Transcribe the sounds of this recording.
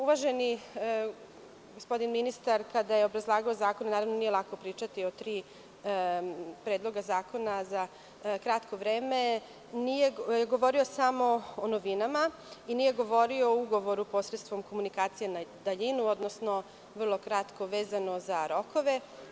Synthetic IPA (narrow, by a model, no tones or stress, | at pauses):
uʋaʒeni | ɡospo̞d̪inminist̪aɾkad̪ajeobɾazlˠaːɡaozaːko̞nanaːɾaʋnonije̞lˠako̞pɾiːt͡ʃat̪iot̪ɾiː | pɾeːd̪lˠo̞ɡazaːko̞naza | kɾat̪ko̞ʋɾe̞ːme | nijejeɡo̞ʋo̞ɾio̞samo̞onoʋinama | inije̞ɡo̞ʋo̞ɾiouɡo̞ʋo̞ɾupo̞sɾet̪st̪ʋo̞mko̞munikaːt̪sije̞nad̪aʎinuo̞d̪nosno | ʋr̩lˠo̞kɾat̪ko̞ʋe̞ːzano̞zaɾo̞ko̞ʋe̞